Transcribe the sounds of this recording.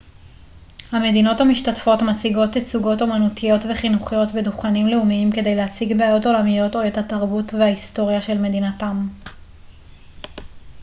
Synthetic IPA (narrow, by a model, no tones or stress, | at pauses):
hame̞dino̞thamiʃtatfo̞tmat͡siɡo̞tet͡suɡo̞tomanutʰijo̞tveχinuχijo̞tbeduχanimleumiimke̞de̞jlehat͡siɡbeajo̞to̞lamijo̞to̞ethataʁbutvehaisto̞ʁjaʃe̞lme̞dinatam